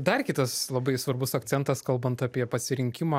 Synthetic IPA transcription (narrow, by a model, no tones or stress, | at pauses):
d̪ɐrkʲɪt̪ɐslˠɐbɐɪsʋɐrbʊsɐk̪t͡s̪ʲɛnt̪ɐskɐlˠbɐnt̪ɑːpʲiɛpɐsʲɪɾʲɪŋʲkʲɪmɑː